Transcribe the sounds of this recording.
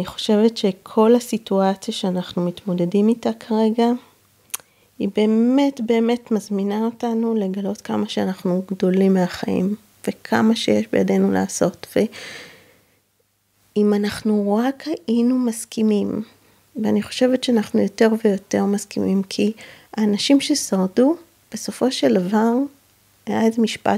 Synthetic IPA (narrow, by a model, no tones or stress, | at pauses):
niχo̞̥ʃe̞vetʃe̞kʰo̞lasituat͡sjaʃeanaχnumitmo̞de̞dimitakʰaʁe̞ɡa | ibe̞ːme̞tbe̞ːme̞tmazminao̞tanule̞ɡalo̞tkamaʃeanaχnuɡdo̞limːeaχaḭm | ve̞kʰamaʃejeʃbe̞jade̞nula̰ːso̞tve̞ | imanaχnuʁakhaʔinumaskimim | veaniχo̞̥ʃe̞vetʃeanaχnujo̞te̞ʁve̞jo̞te̞ʁmaskimimkʰiaːnaʃimʃesaʁdu | b̥e̞so̞fo̞ʃeldavaʁ | ajaezemiʃpa̰